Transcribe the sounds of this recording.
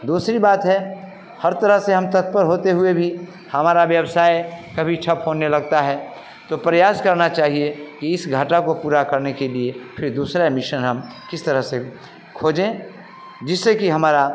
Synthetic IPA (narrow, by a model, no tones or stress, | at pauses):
d̪uːsɾibaːt̪ɦɛ | hɐɾt̪əɾəɦseɦɐmt̪ət̪̚pəɾɦoːt̪eɦʊebʱi | hɐmaːɾaʋjəwsaːekɐbʱit͡ʃʰɐpɦonelɐɡt̪aɦɛ | t̪opɾɐjaːskɐɾnat͡ʃaːɦiekiɪsɡʱaːʈakopuːɾakɐɾnekeliepʰɪɾd̪uːsɾamɪʃənɦɐm | kɪst̪əɾəɦse | kʰoːd͡ʒẽ | d͡ʒɪsːekiɦɐmaːɾa